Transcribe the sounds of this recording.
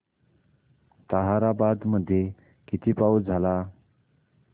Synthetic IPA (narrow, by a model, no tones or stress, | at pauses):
t̪əɦaɾabad̪məd̪ʱːje | kit̪ʰiːpaud͡zʱala